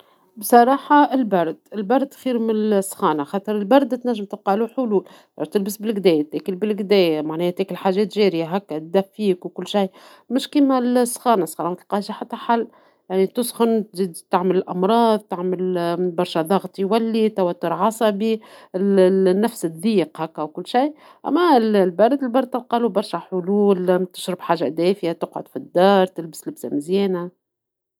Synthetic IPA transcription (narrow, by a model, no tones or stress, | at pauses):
bsˤɑɾˤɑːħɑɪlbɑɾˤd̪ɪlbɑɾˤd̪̚t̪xiːɾmɪnsːxɑːnaxɑːt̪ˤɨɾˤɪlbɑɾˤd̪t̪næʒːɪmt̪ɪb̚qɑːluħʊluːl | t̪ːɪlbɪsbɪlɡd̪ɛːjt̪ekɪlbɪlɡd̪ɛːjmaʕnɛːhæt̪ɛːkɪlħaːʒɛːt̪ʒɛːɾɪjaɦækːæt̪̚d̪æfːiːkwkʊlːʃaj | mɪʃkiːmælsːxɑːnasˤxɑːnɑmt̪lqɑːʒaħat̪ːaħalː | jaʕnit̪ʊsˤxʊnt̪ʒid̪t̪ɪʕmɪlɪlʔɑmɾˤɑːðˤt̪aʕmɪlbɑɾˤʃæðˤɑɣt̪ˤjwælːit̪æwæt̪ːʊɾʕɑsˤɑbi | nːæfsɪd̪ˤiːqhækːæwkʊlːʃij | ʔæ̰mːællbæɾˤɪd̪ɪlbɑɾˤd̪̚t̪ɑlqɑlubɑɾˤʃæħʊluːlt̪ɪ̥ʃɾɪbħaːʒːæ̰d̪ɛːfjat̪ʊqʕʊ̰d̪fid̪ːɑːɾˤt̪ɪlbɪslɪbsamɪzjɛːna